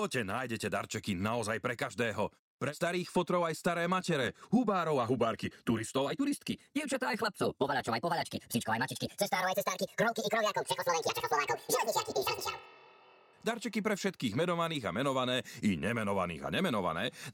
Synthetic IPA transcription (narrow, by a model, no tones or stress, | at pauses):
ɔcɛnaːjɟɛcɛd̪a̰ɾt͡ʃɛkinaɔzajpɾɛkaʒd̪ɛːɦɔ | pɾɛst̪aɾiːxfɔt̪ɾɔʊajst̪aɾɛːmacɛɾɛɦubaːɾɔʊaɦubaːɾkit̪uɾist̪ɔʊajt̪uɾist̪kiɟiʊt͡ʃat̪aːjxlap̚t͡sɔʊpɔʋaʎat͡ʃɔʊajpɔʋaʎat͡ʃkḭpsit͡ʃkɔʊajmacit͡ʃkit͡sɛst̪aːɾɔʊajt͡ssɛst̪aːɾkikɾɔʊkiikɾɔʋjakɔʊt͡ʃɛxkɔslɔʋɛŋkiat͡ʃɛxkɔslɔʋaːkɔʊʒɛlɛzɲit͡ʃɪakit̪iait͡ʃa | d̪aɾt͡ʃɛkipɾɛfʃɛt̪kiːɣmɛnɔʋaniːɣa̰mɛnɔʋanɛːiɲɛmɛnɔʋa̰nḭːɣa̰ɲɛmɛnɔʋa̰nɛ̰ː